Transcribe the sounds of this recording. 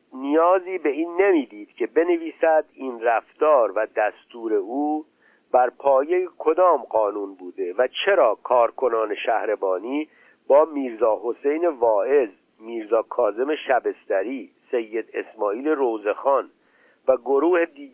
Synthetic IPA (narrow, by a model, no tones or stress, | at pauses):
nijɒːziːbe̞iːnːemiːd̪iːd̪̥cʰe̞be̞neviːsæd̪iːnræft̪ɒːɾvæd̪æst̪uːɾe̞uː | b̥æɾpʰɒːje̞jekʰo̞d̪ɒːmɢɒːnuːnbuːd̪e̞væt͡ʃʰe̞ɾɒːkʰɒːɾkʰo̞nɒːneʃæhɾebɒːniː | bɒːmiːɾzɒːɦo̞se̞jnevɒːe̞z | miːɾzɒːkʰɒːze̞me̞ʃæbe̞st̪æɾiːse̞jːe̞d̪e̞smɒːiːle̞roze̞xɒːn | væɡoɾuːhed̪i